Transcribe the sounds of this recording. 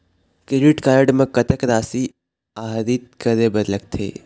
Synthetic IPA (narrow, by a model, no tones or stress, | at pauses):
keɖɪʈkaːɾɖmẽkət̪əkɾaːsi | aːɦɾit̪̚kəɾebəɾlək̚t̪ʰḛː